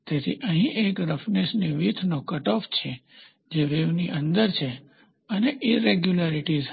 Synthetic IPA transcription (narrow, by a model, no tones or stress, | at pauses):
t̪et̪ʰḭʔəɦĩʔekɾəfnesniʋit̪ʰnokəʈɔft͡ʃʰe | d͡ʒeʋeʋniʔə̃nd̪əɾt͡ʃʰe | əneʔiɾeɡjulaɾiʈiz